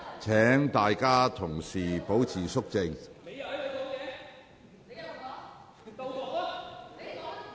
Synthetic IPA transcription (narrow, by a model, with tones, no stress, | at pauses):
t͡sʰɛː˨˥ŋt̪aː˨jkaː˥t̪ʰʊ˨˩ŋsiː˨˩po˨˥wt͡sʰiː˨˩sʊ˥k̚t͡sɪ˧ŋ˨ | o˨˧jɛː˨˧˨